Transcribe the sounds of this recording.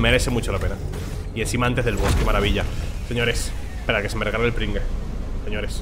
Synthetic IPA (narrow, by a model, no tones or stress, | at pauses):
me̞ɾe̞θe̞mut͡ʃolape̞na | ie̞nsimaãnt̪ezðelβo̞ske̞maɾaβiʎase̞ɲo̞ɾe̞s | peɾake̞semereɣalelpɾiŋɡese̞ɲo̞ɾe̞s